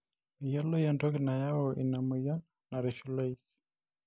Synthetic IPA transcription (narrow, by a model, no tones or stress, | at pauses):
ijalɔjandɔknajaɔʔinamuja | naɾɛʃulaik